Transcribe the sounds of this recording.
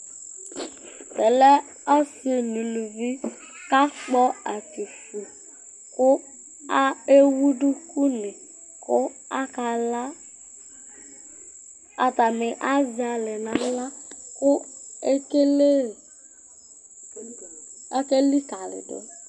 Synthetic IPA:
tɛ˨lɛ˦ | ɔ˦sɪ˨nu˨lu˨vi˦ | ka˦k͡pɔ˦a˨ki˨fu˨ | kʊ˦ | a˦e˦wu˦dʊ˦ku˦nɪ˨ | kʊ˦ | a˦ka˨la˦ | a˨ta˨mɪ˨ʔa˦zɪ˨a˨lɪ˨nã˨˦la˦kʊ˦e˦ke˦le˦˨ | a˦ke˦li˦ka˨lɪ̰˨dʊ̰˨˦

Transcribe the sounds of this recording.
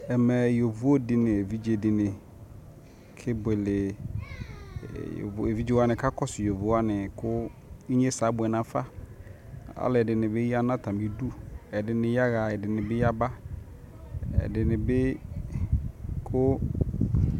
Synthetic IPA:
ɛ˨mɛ˨jo˨vu˦o˦dɪ˨nɪ̃˨e˨vi˦d͡ʒe˨dɪ˨nɪ̃˨ | kʰɪ˦bʊ˨e˨lɪ˨ | e˨vi˦d͡ʒe˦wa˦nɪ̃˨ka˦kɔ˦sɪ˨jo˨vu˦a˦nɪ̃˨kʊ˦i˦ɲe˦sa˨˦bʊ˨ɛ˨nã˨fa˦ | a̰˦lɪ˨ɛ˨dɪ˨nɪ̃˨bɪ˦ja˦nã˦t̪ʰa˨mĩ˦du˦ɛ˨dɪ˨nɪ̃˨ja˦ɣa˨ɛ˨dɪ˨nɪ̃˨bɪ˦ja˦ba˦ | ɛ̰˨dɪ˨nɪ̃˨bɪ˦ | kʰʊ˦

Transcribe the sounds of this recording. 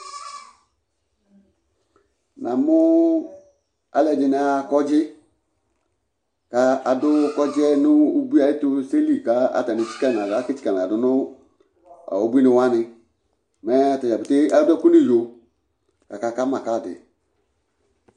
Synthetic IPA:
na˨mʊ˦ | a˨lɛ˨d͡ʒɪ˨nɪ˦a˨kɔ˦d͡ʒɪ˦ | ka˨˧a˨dʊ˦kɔ˦d͡ʒɪ˦ɛ˦nʊ˦u˦bi˦a˨ɪ˦tʊ˦se˦li˨ka˨˦a̰˨ta˨nɪ˨t͡ʃi̥˦ka˦n˨a˨ɡa˨˦kɪ˦t͡ʃi̥˦ka˨n˨dʊ˨nʊ˦ | a̰˨o˨bi˦nɪ˧˦wa˦nɪ˧ | mɛ˨˦a˨ta˨a˨bɪ˨te˦a˦dɛ˦ku˦nɪ˦˨jo˨ | ka˨ka˨ka˦ma˨ka˦˨dɪ̰˨

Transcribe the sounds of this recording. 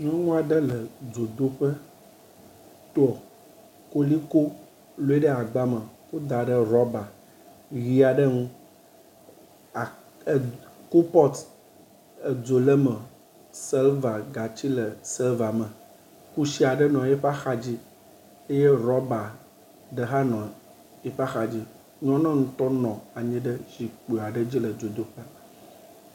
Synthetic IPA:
ŋɔ̃˦ŋũ˦a˨ɖə˦lə˨d͡zo˨d̪o˦ɸə˦ | t̪ɔ˨ | ko˦li˦ko˦ | lo˦e˦ɖə˦a˨ɡ͡ba˦mə̃˨wo˦d̪a˨ɖə˦ɾɔ˦ba˨ | ɣi˦a˨ɖə˦ŋũ˦˨ | ku˦pɔ˦t̪ | ə˨d͡zo˨lə˦mə̃˨ | sɛ˦lva˨ɡa˨t͡ɕi˦lə˨sɛ˦lva˨mə̃˨ | ku˦si˦a˨ɖə˦nɔ̃˨jɛ˦ɸa˦xa˦d͡ʑi˦ | e˦je˦ɾɔ˦ba˨ | ɖə˨˦ɦa˦nɔ̃˨ | e˦ɸa˦xa˨d͡ʑi˦ | ɲɔ̃˦nã˦ŋũ˦t̪ɔ˦nɔ̃˨a˨ɲĩ˦ɖə˦zi˨k͡po˨a˨ɖə˦d͡ʑi˦lə˨d͡zo˨d̪o˦ka˦

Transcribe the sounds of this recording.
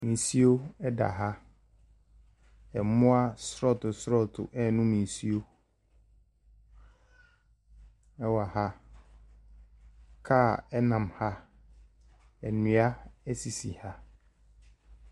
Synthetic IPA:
mĩ˨si˦o˦ɛ˦da̰˨ɦa˦ | ɛ˨mʊ̃˦a˦sɾɔ˦˨tʊ˨sɾɔ˦˨tʰʊ̰˨ʔɛ˦nʊ̃˦mĩ˨n˨si˦o˦ | ɛ˦wa˨ha˦ | kʰa˦˨ɛ˦nã˨mha˦ | ɛ˨nʊ̃˨a˦ɛ˦si˨si˨ha˦

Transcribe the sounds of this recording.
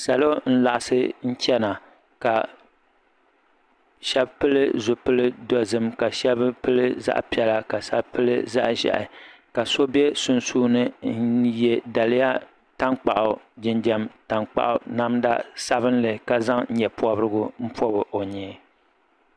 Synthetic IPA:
sa˨lo˦n̩˦la˨ʔa˨sɨ˦n̩˦t͡ʃɛ˦na˨ | ka˨ | ʃɛ˦bpɨ˦lɨ˦zʊ˨pɨ˦lɨ˦dɔ˦zɨ˦mka˨ʃɛ˦bpɨ˦lɨ˦za̰˦ʔpi˦ɛ˨la˦ka˨sa˦bpɨ˦lɨ̰˦za̰˦ʔʒɛ̰˨ʔɪ̰˨ka˨so˦bɛ˦sʊ˦nsuː˦nɨ˦n˦jɛ˦da˨lɪ˦ja˦ | ta˦ŋk͡pa˨ʔʊ˨d͡ʒɪ˨nd͡ʒɛ˨mta˨ŋk͡pa̰˨ʔʊ˨na˦mda̰˦sa˦bɨ˦n˦lɨ˨ka˦za˦ŋ̩˦ɲɛ˨pɔ˦bɾɨ˦ɡʊ˦m̩˦pɔ˦bɨ˨ʔo˨ɲɛː˨˦

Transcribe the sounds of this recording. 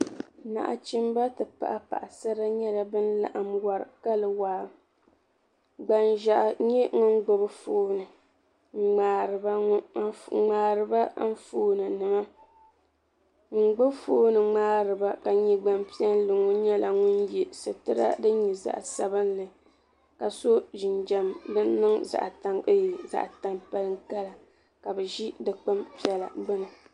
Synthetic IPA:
na̰˨ʔa̰˨t͡ʃi˦mba˦tɨ˨pa̰˨ʔa˨pa̰˨ʔa˨sa˦ɾa˦ɲɛ˦la˨bɨ˦nla̰˨ʔa˨mwa˨ɾɨ̰˨ka˦lɨ˨waː˨ | ɡ͡ba˨nʒa˨ʔɲɛ˦ŋʊ˦nɡ͡bʊ˦bɨ˦foː˦nɨ˨ | ŋ͡m̩˨ŋ͡maː˨ɾɨ˨ba˦ŋ͡maː˨ɾɨ˨ba˦n̩˦foː˦nɨ˨nɨ˨ma˦ | ŋ͡m̩˨ɡ͡bo˦bfoː˦nɨ˨ŋ͡maː˦ɾɨ˨ba˦ka˨ɲi˦ɡ͡ba˦mpi˦ɛ˦n˦lɨ˨ŋɔ˦ɲɛ˦la˨ŋʊ˦njɛ˨sɨ˨tɨ˦ɾa̰˦dɨ˦ɲi˨za̰˨ʔsa˨bɨ˦n˦lɨ˨ | ka˨so˦ʒɪ˨nd͡ʒa˨mdɨ˦nː˦ɨ˦ŋza̰˨ʔta˨ŋɨ˦ji˨za̰˨ʔta˦mpa˦lɨ˦ŋ˦ka˦la˨ | ka˨bɛ˨ʒi˦dɨ˨k͡pɨ˦mpi˦ɛ˨la̰˨ɡ͡bɨ˦nɨ˨

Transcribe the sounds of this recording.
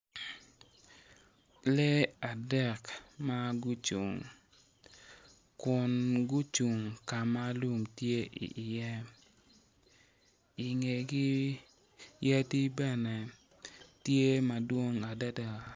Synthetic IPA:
lɛ˦a˨dɛ˦˨kma˦ɡu˦t͡ʃṵ˨ŋ | kʊ˨nɡu˦t͡ʃu˨ŋka˨ma˦lu˨mtje˦ʔḭ˨ʔjɛ˦ | i˨ŋe˨ɡi˦ | ja˦ti˦bɛ˦nɛ˨ | tje˦ma˨dwo˦ŋa˨da˦da˨

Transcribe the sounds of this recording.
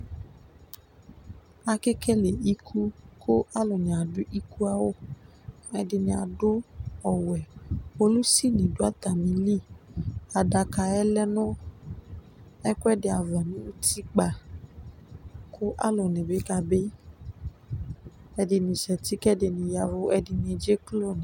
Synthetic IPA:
a˧ke˦kɛ˦le˨i˦kʰu˦kʰo˦ʔa˦lɔ˨nĩ˨a˨dʊ˦ʔi˦ku˦a˦wo˦ | ɛ˧dɪ˧nĩ˧a̰˨dʊ˦ɔ˨wɛ˨o˦lu˦si˦˨nĩ˨do˦a˦t̪a˨mĩ˧li˦˨a˨da˧ka˧ɛ˦lɛ˦nʊ̃˦ | ɛ˦kʊ˦ɛ˦dɪ˧a˨va˨nĩ˦u˦ti˦k͡pa˨ | kʰo˦ʔa̰˦lo˨nẽ˨be˨˦ka˧be˦ | ɛ˧dɪ˧nĩ˧ʃɛ˨ti˦kɛ˦dɪ˧nĩ˧ja˧vo˦ɛ˧dɪ˧nĩ˧d͡ʒe˦klo˦˨nĩ˨

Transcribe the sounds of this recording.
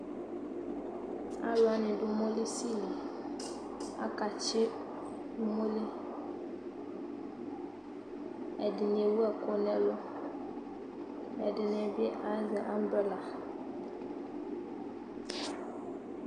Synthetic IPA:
a˦la˨˦nɪ˨du˨mo˦li˦si˦li˨ | a̰˦ka˨t͡ʃɪ˦ | du˦mo˦li˦ | ɛ˨di˨ne˨wu˦a˨ko˨nɛ˦lɔ˦ | ɛ˨di˨nɛ˨bi˦ʔa˨˦zɛ˨ʔa˦m˦bə˦la˨

